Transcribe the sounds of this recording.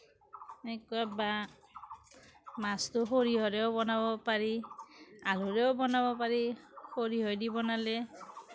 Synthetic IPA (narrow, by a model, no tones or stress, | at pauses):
ekuaba | mastʊxoɹiɦɔɹɛobɔnabɔpaɹi | aluɹɛobɔnabɔpaɹihoɹiɦojdibɔnale